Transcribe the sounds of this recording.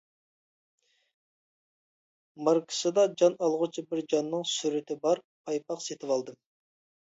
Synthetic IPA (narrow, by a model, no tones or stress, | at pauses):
mɑɾkʰə̥sɨd̪ɑd͡ʒɑnɑlˠʁʊt͡ʃʰɨbɪɾd͡ʒɑnːɨŋsyɾɪt̪ɪbɑɾ | pʰɑjpɑqset̪ʰɪvɑlˠd̪ɨm